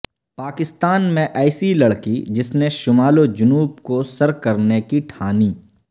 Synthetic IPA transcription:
paːkɪst̪aːnmẽʔɛːsilɐɽkḭd͡ʒɪsneʃʊmaːlod͡ʒʊnuːbkosɐɾkɐɾnekiʈʰaːniː

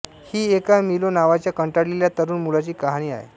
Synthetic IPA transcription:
hiːekamilonaʋat͡ɕjakəɳʈaɽleljat̪əɾuːnmulat͡ɕiːkaɦañiːa̰ɦḛ

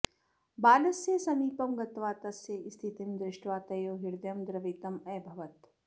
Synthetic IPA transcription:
baːlɐsjesɐmiːpɐmɡɐt̪ʋaːt̪ɐsjeʔɪst̪ʰit̪imd̪ɾɪʃʈʋaːt̪ɐjoːɦɪɾd̪jɐmd̪ɾɐʋiːt̪ɐmɛːbʱɐʋɐt̪

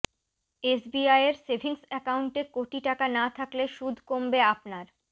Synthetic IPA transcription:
esbiajeɾsebʱiŋsɛkauɳʈekoʈiʈakanat̪ʰakleʃud̪ʱkombeapnaɾ

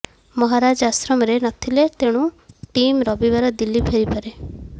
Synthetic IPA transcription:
mɔɦaɾad͡ʒasɾɔmɔɾenɔt̪ʰilet̪eɽ̃ũʈimɾɔbibaɾɔd̪ilːipʰeɾipaɾe

